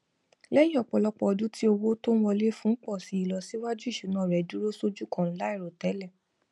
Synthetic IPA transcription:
lɛ˦j̃ĩ˦ɔ˦˨k͡pɔ˨lɔ˦k͡pɔ˨ɔ˧du˦tʰi˦o˧wo˦tõ˦wɔ˧le˦fũ˦k͡pɔ˦˨si˨˦i˦˨lɔ˧si˨˦wa˦d͡ʒu˦i˦˨ʃu˨˦nãː˨˦˨ɾɛ˨˦du˦ɾo˦so˦d͡ʒu˦kã˦˨n̩˦la˦i˦˨ɾo˨tɛ˨˦lɛ˦˨

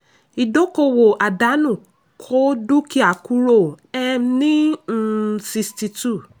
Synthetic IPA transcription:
i˨do˦ko˨wo˨ʔa˨da˨˦nũ˨ | kʰo˦du˦kʰi˦a˨kʰu˦ɾo˦˨ɛ˦mnĩ˦n̩˨si˨sti˨tu˦˨

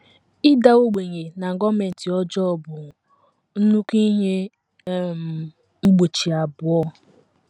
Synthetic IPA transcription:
ɪ˦da˦o˦ɡ͡be˨ɲe˨na˨ŋ̩˨ɡɔ˦me˨n̩˨ti˨ɔ˦d͡ʒɔ˦ɔ˦˨bʊ˨ | n̩˦nu˦ki˦ɦe˦˨ | m˨ | ŋ͡m̩˦ɡ͡bo˨t͡ʃi˨a˨bʊ˨ɔ˦

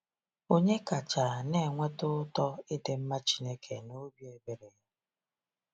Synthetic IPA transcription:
o˦ɲe˦ka˨t͡ʃa˨ne˨ŋʷe˦tʊ˦tɔ˦ɪ˦de˨m̩˦ma˦t͡ʃi˦ne˦kʰe˨no˦bje˨be˨ɾe˨ja˦

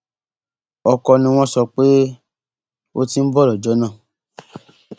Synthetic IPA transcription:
ɔ˧kɔ˧nĩ˧w̃ɔ̃˦sɔ˧k͡pe˦ | o˦ti˦n̩˦bɔ˦lɔ˨d͡ʒɔ˨˦nã˦˨

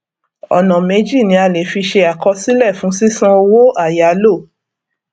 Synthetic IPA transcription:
ɔ̰˨nã˨me˨˦d͡ʒi˦˨nĩ˨˧˦a˧le˨fi˧ʃe˧a˨kɔ˧si˦lɛ˦˨fũ˨˦si˦sã˦o˧wo˦ʔa˦˨ja˨˦lo˦˨

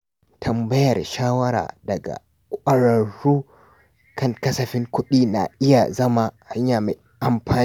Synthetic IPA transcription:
tʰɐ˨mbɐ˦jɐ˨rʃaː˦wɐ˦ɾa̰ː˨dɐ˨ɡa̰˨ | kʷʔɐ˦ɽɐ˨ɽːuː˦ | kʰɐ˦˨ŋkɐ˦sɐ˨ɸɪ˦ŋkʷʊ˦ɗiː˦na̰˨ʔɪ˦ja̰˨zɐ˦ma˨ha˦ɲjaː˨ma˨ | ʔa˨mɸaː˨

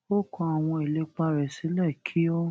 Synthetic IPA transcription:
o˦˨kɔ̃˧a˨w̃ɔ̃˧e˨le˨˦k͡pa˧ɾɛ˨sĩ˨˦lɛ˦˨kʰi˨˦o˦

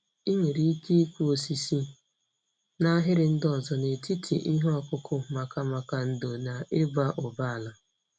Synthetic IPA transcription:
i˦ɲe˨ɾi˦ki˦i˦kʷu˦o˨si˨si˦ | na˦ɦɪ˦ɾɪ˨n̩˦dɔ˨zɔ˨ne˨ti˦tʰḭ˨ʔi˦ɦɔ˨kʊ˦kʰʊ˦ma˨ka˨ma˨ka˨n̩˨do˨na˨e˦ba˦ʔʊ˨ba˦a˨la˨

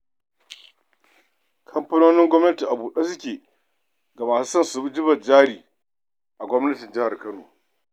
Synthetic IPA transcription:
kʰɐ˦mpɐ˦noː˦nɪ˦ŋɡʷɔ˦mnɐ˦ti˨ʔa˨buː˨ɗa˦sʊ˦kʲeː˨ | ɡa˨maː˨su˦sɐ˦nsʊ˨bi˦d͡ʒɪ˦bɐ˨d͡ʒaː˦ɽiː˨ | ʔa˨ɡʷɔ˦mnɐ˦tɪ˨nd͡ʒɪ˦ha˨rkɐ˦no̰ː˨

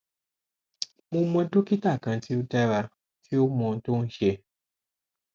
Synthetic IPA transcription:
mo˧mɔ̃˧do˦ki˦ta˦˨kã˨˧ti˦o˦dɛ˦ɾa˧ | ti˦o˦mɔ̃˧˦to˦n̩˦ʃe˧

